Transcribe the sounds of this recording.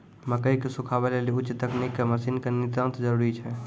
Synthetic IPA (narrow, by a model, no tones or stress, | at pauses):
məkəikesukʰabɛleliʊt͡ʃːt̪əknikːeməsinkenit̪ə̃nt̪d͡ʒəɾuɾit͡ʃʰɛ